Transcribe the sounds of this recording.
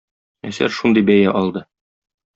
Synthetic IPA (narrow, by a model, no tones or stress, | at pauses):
æsæ̰ɾʃund̪ɤjbæjæʔɒlˠd̪ɤ